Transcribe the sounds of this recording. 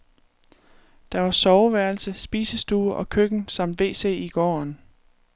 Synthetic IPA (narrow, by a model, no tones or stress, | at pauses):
d̥ɑ̈ʋɑ̈sɒʊʋæɐlsəsb̥ḭːsəsd̥uːʔɒ̽kʰøɡ̥n̩sɑ̈m̰d̥ʋe̝̰ːse̝̰ːiɡ̥ɒ̰ːn